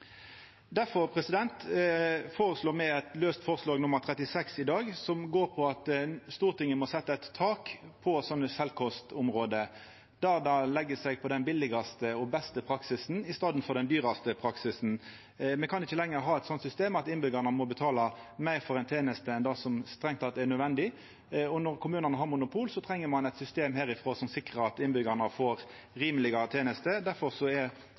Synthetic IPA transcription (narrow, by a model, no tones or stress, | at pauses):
d̪æfɔʁpʰɾɛsɪd̪ɛnt̪ | foːʁəsloːmɛɪɛt̪løːst̪fɔːʁslɑːɡnʊmːəʁt̪ʰɾɛt̪ɪsɛksɪd̪ɑːɡsɔmɡoːʁpʰɔɑt̪st̪uːʁt̪ʰɪŋːənmɔsɛt̪ːəɛt̪ʰːɑːkpʰɔsɔnːəsɛlkʰɔst̪ʊmʁoːd̪ə | d̪̥æːʁd̪ɑlɛɡːəsɛɡpʰɔd̪ɛnbɪlɪɡɑst̪əɔbɛst̪əpʰɾɑksɪsn̩ɪst̪ɑːd̪n̩fɔʁd̪ɛnd̪yːʁɑst̪əpʰɾɑksɪsn̩ | mɛnkɑnɪçːəlɛŋːəɾɦɑːɛt̪sɔnt̪sʏst̪eːmɑt̪ɪnbʏɡɑnəmɔbət̪ʰɑːlɑ | mæɪʁfɔɾɛɪnt̪ʰeːnəst̪əɛnd̪ɑsɔmst̪ɾɛŋt̪ɑt̪d̪ɛæɾnœd̪ʋɛnd̪ɪ | ɔnɔɾkʰʊmʉːnənəɦɑɾmʊnʊpʰuːlsɔt̪ʰɾɛŋːəɾmɑnɛɪt̪sʏst̪eːmhæːɾɪfʁoːsɔmsɪkʁəɾɑt̪ɪnbʏɡɑnɑfoːɾ | ɾiːmlɪɡɑət̪ʰeːnəst̪əd̪æɾfɔʁsɔɛ